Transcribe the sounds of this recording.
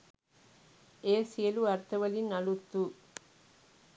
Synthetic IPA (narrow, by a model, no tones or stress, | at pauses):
eːsijɐluɐɾt̪ɐʋɐlɪnɐɭut̪ːu